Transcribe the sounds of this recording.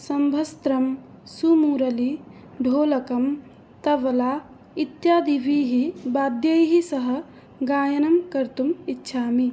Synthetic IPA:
sɐmbʱɐst̪ɾɐm | sumuːɾɐli | ɖʱoːlɐkɐm | t̪ɐʋla | it̪jaːd̪ibiɦibaːd̪jəjɦisɐɦə̆ | ɡaːjɐnɐmkɐɾt̪umitːʃʰaːmi

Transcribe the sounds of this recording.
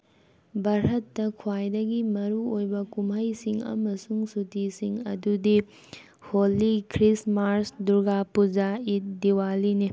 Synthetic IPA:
bɐɾɦɐtːɐkʰwajdɐɡimɐɾuojbɐkumɦɐjsiŋɐ̰mɐsuŋsutʰisiŋɐ̰dudi | holːikʰɾismaɾsduɾɡapud͡ʒait̚diwalini

